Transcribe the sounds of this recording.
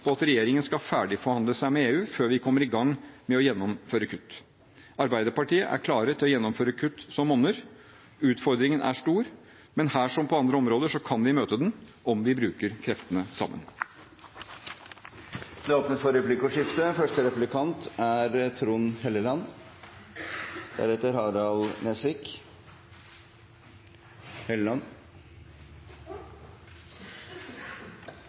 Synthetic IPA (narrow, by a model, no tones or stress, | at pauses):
pʰɔɑt̪ɾɛjeːɾɪŋənskɑfæːɖɪfɔɾhɑnd̪ləsæɪmɛeːʉːføːɾʋɪkʰɔmːəɾɪɡɑŋːmɛɔjɛnːɔmføːɾəkʰʉt̪ː | ʔɑɾbæɪd̪əɾpɑʈiːəʔæ̰ɾkʰlɑːɾət̪ʰɪlːɔjɛnːɔmføːɾəkʰʉt̪ːsɔmɔnːəɾ | ʉːt̪fɔɾd̪ɾɪŋənʔæ̰ʂʈuːɾ | mɛnhæːʂɔmpʰɔɑnd̪ɾəɔmɾoːd̪əʂɔkʰɑnʋɪmøːt̪əd̪ɛnʔɔmʋɪbɾʉːkəɾkʰɾɛft̪ənəsɑ̰mːə̰n | d̪̥ɛoːpnəsfɔɾɛplɪkʊʂɪft̪əfœʂʈəɾɛpʉlɪkʰɑnt̪æɾt̪ʰɾuːnhɛlːəlɑn | d̪̥æ̰ɾɛt̪ːəɾhɑːɾɑlnɛsʋɪːk | hɛllɑn